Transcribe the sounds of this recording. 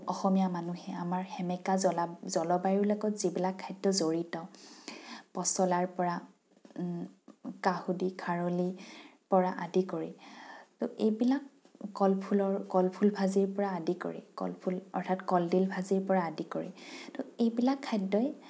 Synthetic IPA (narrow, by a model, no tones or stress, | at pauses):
ɔxɔmijamanuhɛamaɹxɛmɛkazɔlazɔlɔbaɹiɹlɔɡɔtzibilakʰːajdɔzoɹitɔ | pɔsɔlaɹpɔɹa | kahudikʰaɹɔlipɔɹaʔadikoɹḭtʊʔejbilakː | ɔlpʰulɔɹkɔlpʰulbʱaziɹpɔɹaːdiko̰ɹḭkɔ̰lpʰulɔ̰ɹtʰatkɔldilbʱaziɹpɔɹaːdikoɹḭtʊejbilakʰːajdɔj